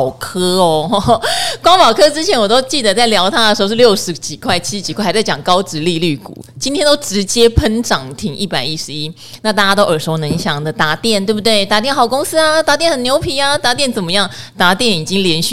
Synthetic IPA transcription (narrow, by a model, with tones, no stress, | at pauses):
ʊkʰɤ˥ɔ˨˩ | kwɑ˥ŋpɑ˨˩ʊkʰɤ˥ʈ͡ʂɻ̩˥t͡ɕʰjɛ˧˥nwɔ˨˩t̪o˥ʊt͡ɕi˥˩d̪ə˩t͡sa˥˩ɪljɑ˧˥ʊt̪ʰa˥d̪ə˨˩ʂ̩˧˥˧ʂɻ̩˥˧jo˥˩ʊʂɻ̩˧˥t͡ɕi˨˩kʰwa˥˩ɪt͡ɕʰi˥t͡ɕi˨˩kʰwa˥˩˧t͡sɪt͡ɕɑ˨˩ŋkɑ˥ʊʈ͡ʂɻ̩˧˥li˥˧ly˥˩kṵ˨˩˦t͡ɕi˥nt̪ʰjɛ˥nt̪o˥ʊʈ͡ʂɻ̩˧˦˥t͡ɕjɛ˥pʰə˥nʈ͡ʂɑ˨˩ŋt̪ʰi˧˥ŋʔi˥˩pa˨˩ɪi˦˥ʂɻ̩˧˥i˦˥ | na˥˧t̪a˥˧t͡ɕa˥t̪o˥ʊə˞˨˩ʂo˧˥ʊnə˧˥ŋɕjɑ˨˩ŋd̪ə˦t̪a˧˥t̪jɛ˥˩nt̪wbu˩t̪we˥˩ɪt̪a˧˥t̪jɛ˥˩nxɑ˨˩ʊkʊ˥ŋsɹ̩˥a˧t̪a˧˥t̪jɛ˥˩nhə˨˩njo˧˥ʊpʰi˧˥a˧t̪a˧˥t̪̬jɛ˥˩nt͡sə˨˩nmə˧˦jɑ˥˩ŋt̪a˧˥t̪jɛ˥˩ni˨˩t͡ɕi˦ŋljɛ˧˥nɕ